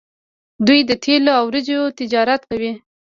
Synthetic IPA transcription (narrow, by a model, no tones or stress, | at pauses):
d̪ujd̪ət̪ʰeloawɾɪd͡ʒot̪ɪd͡ʒɑɾat̪kawi